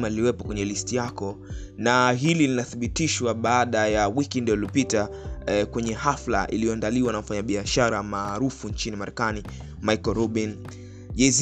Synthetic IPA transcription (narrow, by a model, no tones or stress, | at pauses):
maliliwɛpɔkwɛɲɛlistijakɔ | naɦililinaθiɓitiʃwaɓaaɗajawikindiɔlilɔpita | kwɛɲɛhafla̰ʔḭlijɔandaliwanam̩faɲaɓiaʃaɾamaːɾufuɲt͡ʃinimaɾɛkani | majkɔɾɔɓin | ʄɛz